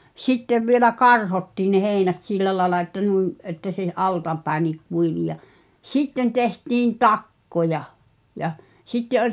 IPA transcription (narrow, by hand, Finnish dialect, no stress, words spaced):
sitːeʋ ʋielæ kɑrhotːiːn ne heːĭnæt silːæ lɑĕlɑ etːæ nuim etːæ se ɑltɑpæi̞niːk kuiʋi jɑ sitːen tehtiːn tɑkːojɑ jɑ sitːe olʲ